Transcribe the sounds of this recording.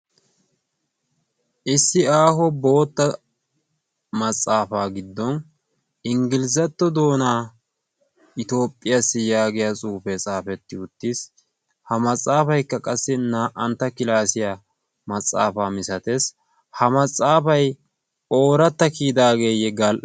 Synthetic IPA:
ʔɪsːɪaːɦɔbo̞ːt̪ːɐ | mɐt͡sʼːaːfaːɡɪd̪ːɔn | ʔɪŋɡɪlɪzɐt̪ːɔd̪o̞ːnaː | ʔɪt̪o̞ːpʼːɪjasːɪjaːɡɪjat͡sʼuːfɛt͡sʼaːfɛt̪ːɪʊt̪ːis | hɐmɐt͡sʼːaːfɐjkːɐkʼɐsːɪnaːʔɐnt̪ːɐkɪlaːsɪja | mɐt͡sʼːa̰ːfaːmɪsɐt̪ɛs | hɐmɐt͡sʼːaːfɐj | o̞ːɾɐt̪ːɐkiːd̪aːɡe̞ːjɛɡɐlʔ

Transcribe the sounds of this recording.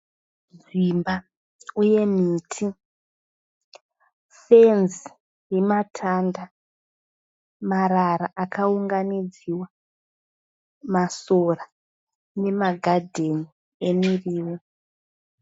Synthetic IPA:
ʐimba | uje̞miːtʰi | fenzi | rematʰanda | maraɾaʔakʰauŋɡanid͡ziwa | masora | ne̞maɡʱadʱe̞ni | e̞miriːwo

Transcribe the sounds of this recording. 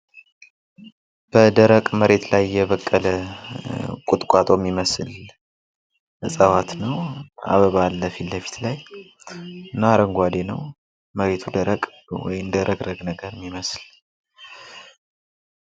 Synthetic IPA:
b̥əd̪əɾəkʼməɾe̞t̪lajːɛβəkʼːələ | kʼut̪ʼkʷʼat̪ʼomːiməsɨl | sʼəwat̪nəwa̰βəβalːəfilːəfi̥t̪laj | ɨnːaɾəŋɡʷad̪e̞nəw | məɾe̞t̪ʰud̪əɾəkʼ | wɔ̰jɪmd̪əɾəɡɾəɡnəɡəɾɪmːiməsl

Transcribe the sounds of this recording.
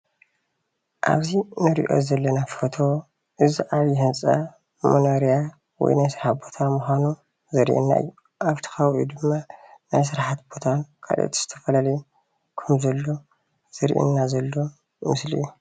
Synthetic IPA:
ʔa̰βzinɨɾḭʔo̞̰zɐlːɐnafot̪ʰo̞ | ʔɨziʔaβjɛhɨnt͡sʼa | monoɾija | wɔ̰jnajsɨɾħat̪̚bo̞t̪ʰamuxʷanu | zɐɾḭʔḭnːa̰ʔɨ̰jːu | ʔaβt̪ʰi̥xawʔud̪ɨmːanajs̬ɨɾħat̪bo̞t̪ʰakʰa̰lʔo̰t̪ʰi̥z̥ɨ̥t̪ʰɐfɐlalɐj | kʰɐmzɐlːo̞ | z̥ɨɾḭʔḭnːazɐlːo̞ | mɨsliiːu

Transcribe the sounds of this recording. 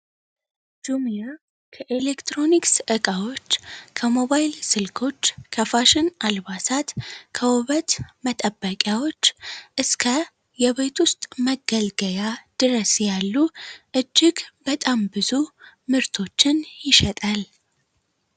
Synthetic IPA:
d͡ʒumija | kʰəʔelekt̪ɾo̞niksʔɨkʼawo̞t͡ʃːkʰəmo̞βajlsɨlkʰo̞t͡ʃːkʰəfaʃɪnalβasat̪kʰəwʊβət̪mət̪ʼəbːəkʼjawo̞t͡ʃːʔɨskʰə | jɛβet̪wʊst̪ʼməɡːəlɡəjad̪̥ɨɾəsjalːuʔɨd͡ʒːɪɡbət̪ʼambɨzumɨɾt̪ʰo̞t͡ʃːɪnjɪʃɛt̪ʼal

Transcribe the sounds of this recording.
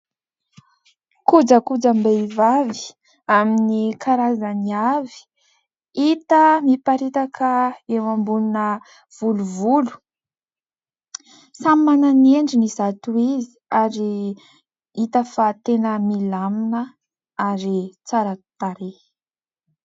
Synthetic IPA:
kud͡ʒəkud͡zambeivavi̥ | aminikʰaɾazaniavi̥ | it̪əmipaɾit̪akʰəewambununə | v̥uluvulu̥ | samːananeɳɖ͡ʐinizat̪uizi̥aɾi | it̪əfat̪enəmilaminə | aɾit͡saɾat̪aɾe

